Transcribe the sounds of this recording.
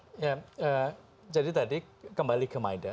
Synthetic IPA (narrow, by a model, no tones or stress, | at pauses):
jaə | d͡ʒadit̪adi | kəmbalikəmajda